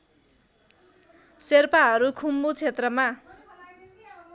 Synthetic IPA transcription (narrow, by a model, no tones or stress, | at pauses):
serpaɦʌɾukʰumbut͡sʰet̪rʌma